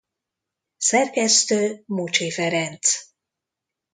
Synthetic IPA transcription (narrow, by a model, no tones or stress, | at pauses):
sɛrkɛst̪øːmut͡ʃefɛɾɛnt̪s